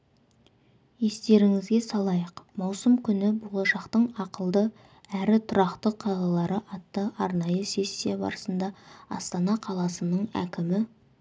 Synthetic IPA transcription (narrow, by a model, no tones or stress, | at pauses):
je̞st̪e̞ɾɪŋɪzɡʲe̞sɑlˠɑjəqmɑwsəmkʲʰʏnɪbʊləʃɑqt̪əɴɑqəlˠd̪ə | æɾɪt̪ʰʊɾɑqt̪əqʰːɑlˠɑlˠɑɾəʔɑt̪ːəʔɑɾnɑjəsʲe̞sʲːijabɑ̰ɾəsənd̪ɑɑ̰st̪ɑnɑqʰɑlˠɑsənəɴæ̰kʲɪmɪ